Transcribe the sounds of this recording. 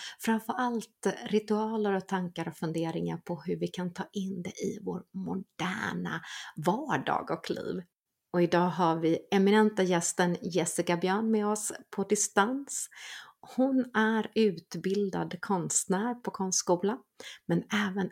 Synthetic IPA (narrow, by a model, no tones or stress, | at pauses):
fɾamfəɾʔalt̪ɾɪt̪ɵɑːləɾɔt̪ʰaŋkaɾɔfɵnd̪eːɾɪŋa̰ɾpʰɔɦɵɾvɪkʰant̪ʰɑːʔɪnd̪ɛ̰ʔɪ̰vo̰ːɾmʊɖ̥æːɳa̰vɑːɖɑ̰ːɡɔkʰlḭːv | ɔɪd̪ɑːɦavɪɛmɪnɛnt̪ajɛst̪ənjɛsɪkabjœːɳmɛɔspʰɔd̪ɪst̪ans | hʊnæɾʉ̟ːt̪bɪld̪a̰d̪kʰɔnst̪næːɾpʰɔkʰɔnst̪skuːla | mɛnɛːvən